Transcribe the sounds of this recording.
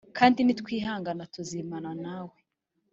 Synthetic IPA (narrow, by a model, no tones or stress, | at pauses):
kʰaːndinitkwiːɦaːŋɡanatuzimananaːwe